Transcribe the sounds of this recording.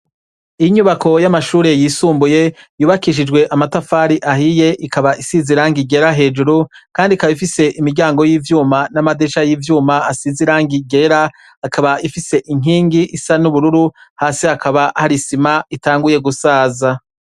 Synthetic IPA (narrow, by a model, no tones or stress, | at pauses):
ijiɲuβako̞jamaʃuːɾe̞jiːsuːmbuje̞juːβakiːʃ̬id͡ʒɡwe̞ʔamatafaːɾiʔahije̞ʔikaβaʔisiziɾaːŋɡiɡe̞ɾaɦe̞ːd͡ʒuɾukaːndikaβifise̞ʔimiɾɟaːŋɡo̞jiːvjuːmanamadeʃajiːvjuːmaasiziɾaːŋɡiɡe̞ːɾa | akʰaβaifise̞ʔiŋ̥iːŋɡiʔisanuβuɾuɾuhaːsihakʰaβahaɾisimaitaːŋɡuje̞ɡusaːza